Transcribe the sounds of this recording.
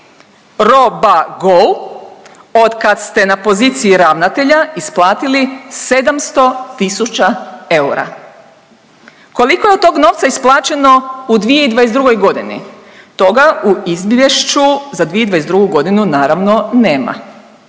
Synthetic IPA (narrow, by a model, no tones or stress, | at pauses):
ɾo̞baɡol | o̞d̪kad̪st̪e̞napo̞zit̪siiɾaʋnat̪e̞ʎaisplˠaːt̪ilise̞d̪amst̪o̞t̪isut͡ʃae̞uɾa̰ | ko̞liko̞jeo̞t̪t̪ːo̞ːɡno̞ːʋt̪saisplˠaːt͡ʃe̞no̞ud̪ʋije̞id̪ʋajezd̪ɾuɡo̞jɡo̞d̪inḭ | t̪o̞ɡauizbje̞ʃt͡ʃuzad̪ʋijed̪ʋajezd̪ɾuɡuɡo̞d̪inunaːɾaʋno̞neːma̰